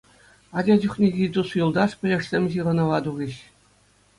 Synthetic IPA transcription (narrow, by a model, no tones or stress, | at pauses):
ɑd͡ʑɑd͡ʑuχʲnʲeɡʲit̪usjulˠd̪ɑʂpʲɘ̆lʲɘ̆ʂsʲemʲʑiʁɤ̆nɤ̆ʋɑd̪uɣʲiɕ